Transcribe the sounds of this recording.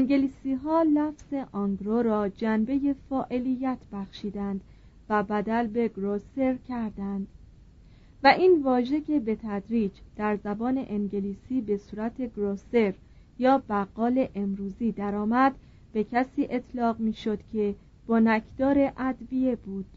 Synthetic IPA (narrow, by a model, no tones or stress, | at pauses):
eŋɡeliːsiːɦɒːlæfz̥e̞ʔɑŋɡɾoɾɒːd͡ʒænbe̞je̞fɒːʔe̞lijːæt̪ʰb̥æxʃiːd̪ænd̪̥ | væbæd̪ælbe̞ɡɾose̞ɾcʰæɾd̪ænd̪̥ | væʔiːnvɒːʒe̞cʰe̞be̞t̪ʰæd̪ɾiːd͡ʒd̪̥æɾzæbɒːne̞̰ʔeŋɟe̞liːsiːbe̞suːɾæt̪ʰe̞ɡɾose̞ɾ | jɒːbæɣːɒːle̞ʔemɾuːziːd̪æɾɒːmæd̪ | b̥e̞cʰæsiːʔe̞t̪ʰlɒːɣmiːʃo̞d̪̥cʲʰe̞ | b̥onækʰd̪̥ɒːɾe̞ʔæd̪vije̞buːd̪̥